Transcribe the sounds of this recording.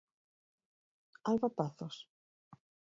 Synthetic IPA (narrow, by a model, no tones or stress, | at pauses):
alβat̪aθos